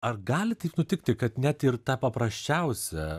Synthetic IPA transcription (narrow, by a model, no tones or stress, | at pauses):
ɐrɡɑːlʲɪt̪ɐɪpnʊt̪ʲɪk̚t̪ʲɪkɐt̪nʲæt̪ɪrt̪ɑːpɐpɾɐsʲt͡ʃʲɛʊsʲɛ